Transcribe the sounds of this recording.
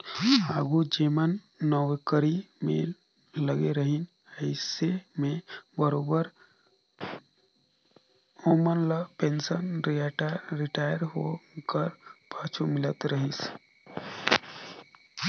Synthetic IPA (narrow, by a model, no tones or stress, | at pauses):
aːɡud͡ʒeːmənː | ɔwkəɾimḛ̃ | ləɡeɾəɦɪn | əɪsemẽbəɾoːbəɾ | oːmənlapẽnsənɾʈɾɪʈaːjəɾɦokəɾpaːt͡ʃʰumɪlət̪ɾəɦis